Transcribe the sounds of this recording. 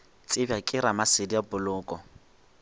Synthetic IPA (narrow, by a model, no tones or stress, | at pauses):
t͡sʼɪbakʼɪɾamasɪdijabʊlʊːkʼɔ